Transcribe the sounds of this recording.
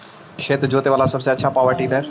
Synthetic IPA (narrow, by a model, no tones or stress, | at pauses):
ʃeːt̪d͡ʑoːt̪eʋaːlasɐbseɐːt͡ɕʰapaːʋəɾʈinɐɾ